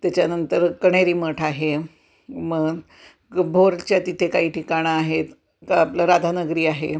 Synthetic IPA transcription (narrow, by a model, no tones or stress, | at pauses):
t̪jat͡ɕjanənt̪əɾkəɽ̃eɾiːməʈʰaɦe | məɡ | bʱoɾt͡ɕjat̪it̪ʰekaɦiːʈʰikaɽ̃aːɦet̪ | kaaplaɾad̪ʱanəɡɾiːaɦe